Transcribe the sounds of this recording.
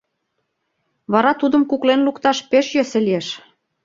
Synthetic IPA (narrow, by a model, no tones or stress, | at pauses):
βɑɾɑt̪ud̪ə̆mkuklenlukt̪ɑʃpeʃjøsĕlieʃ